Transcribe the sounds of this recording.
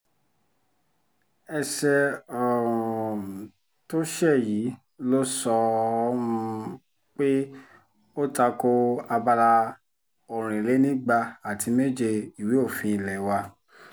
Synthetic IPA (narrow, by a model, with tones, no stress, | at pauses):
ɛ˧ʃɛ˧ɔ˨ɾũ˨ | to˦ʃɛ˦˨ji˨˦ | lo˦sɔ˧˦ũ˧ | k͡pe˦ | o˦ta˧ko˧a˧ba˧la˧ | o˨ɾ̃ĩ˨le˨˦nĩ˦ɡ͡ba˧a˨tʰi˨˧me˦d͡ʒe˧i˨we˨˦o˦˨fĩ˧˦i˨lɛ˨˦wa˧